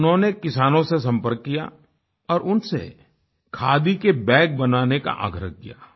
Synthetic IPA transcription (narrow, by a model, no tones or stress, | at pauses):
nɦõnekɪsaːnõsesɐ̃mpəɾkːija̰ | ɔːɾʔʊnsḛ | kʰaːd̪ikebɛ̃ːk̚bɐnaːneka̰ʔa̰ːɡɾə̰ɦkija̰ː